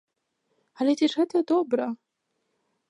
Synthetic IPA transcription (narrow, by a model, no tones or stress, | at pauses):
ɐlʲɛt͡sʲɛʐɣɛt̪ɐd̪ɔbɾɐ